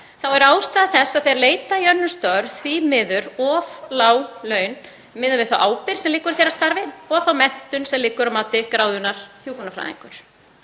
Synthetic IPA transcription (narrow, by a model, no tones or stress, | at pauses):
θawɛɾaːwst̪aːðθɛsːað̥θeɾleːjt̪ajœnːʏst̪œɾθvimɪðʏɾɔflaːwlœːɥn | mɪːðʏɾvɪðθawʔaːwpɪɾ̥sɛmliːkʏɾθejɾast̪aɾvɪɔɣθawmɛn̥t̪ʏnsɛmliːkʏɾawmaːt̪ɪkɾaːwðʏnaɾ̥θjuːkɔnafɾa̰ːðḭŋkʏɾ̥